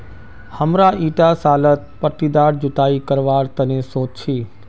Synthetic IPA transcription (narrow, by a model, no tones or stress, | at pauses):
həmɾaʔiːʈasaːlət̪̚pəʈ̪id̪aːɾd͡ʒʊʈ̪aːikəɾʋaːɾt̪ɐnẽsoːt͡ʃt͡ʃʰiː